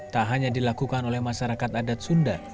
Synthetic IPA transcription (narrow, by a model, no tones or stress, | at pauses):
t̪aɦaɲadilakukanolɛhmaʃaɾakat̪adat̪̚sunda